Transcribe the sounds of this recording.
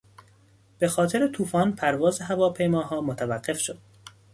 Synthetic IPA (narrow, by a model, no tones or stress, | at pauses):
b̥e̞xɒːt̪ʰe̞ɾet̪ʰuːfɒːnpʰæɾvɒːzeɦævɒːpʰe̞jmɒːɦɒːmot̪ʰævæɢːe̞fʃod̪̥̚